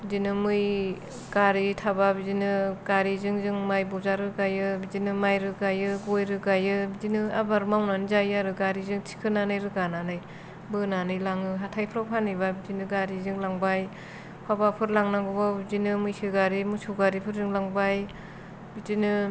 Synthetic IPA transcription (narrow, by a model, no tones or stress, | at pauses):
bidinɯmɯj | ɡ̥aɾitʰababizinɯɡ̥aɾizɯŋzɯŋmajbɔzaɾɯɡajɯbizinɯmajɾɯɡajɯɡojɾɯɡajɯbidinɯabaɾmawnanɯzajaɾɯɡaɾizɯŋtʰi̥kʰɯnanajɾɯɡananaj | bɯnanɯjlaŋɯɦatʰajpʰɯɾawpʰanɯjbabizinɯɡaɾizɯŋlaŋbaj | pʰabapʰɯɾlaŋnaɡubabizinɯmɯjsɯɡaɾimusuɡaɾipʰɯɾzɯŋlaŋbaj | bidinɯ